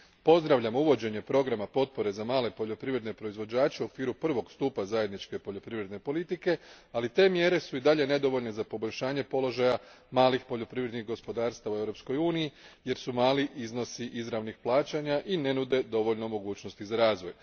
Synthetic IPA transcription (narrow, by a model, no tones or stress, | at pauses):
po̞zd̪ɾaʋʎʲamuʋo̞d͡ʑe̞ɲe̞pɾo̞ɡɾamapo̞t̪̚po̞ɾe̞zamaːle̞po̞ʎo̞pɾiʋɾe̞d̪ne̞pɾo̞izʋo̞d͡ʑaːt͡ɕeuo̞kʋiːɾupr̩ʋo̞ɡst̪uːpazaje̞d̪nit͡ʃke̞poʎo̞pɾiʋɾed̪ne̞po̞lit̪ike̞alit̪e̞ːmje̞ɾe̞suid̪aʎe̞ne̞d̪o̞ʋo̞ʎne̞zapo̞bo̞ʎʲʃaːɲe̞po̞lo̞ʒaja | maːlixpo̞ʎo̞pɾiʋɾed̪nixɡo̞spo̞d̪aːɾst̪aʋue̞ʋɾo̞psko̞juːnijije̞ɾsumaːliʔizno̞siʔizɾaʋnixplˠaːt͡ɕaɲaʔine̞nud̪e̞d̪o̞ʋo̞ʎno̞mo̞ɡuːt͡ɕno̞st̪izaɾaːzʋo̞j